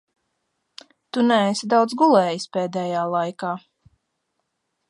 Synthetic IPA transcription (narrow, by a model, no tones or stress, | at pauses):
t̪unæɛsʲid̪awd̪zɡulˠɛːjispeːd̪ɛːjaːlˠajkaː